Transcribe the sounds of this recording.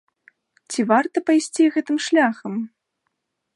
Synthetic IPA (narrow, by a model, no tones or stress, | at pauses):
t͡sʲivart̪ɐpajsʲt͡sʲiɣɛt̪ɨmʂlʲaxɐm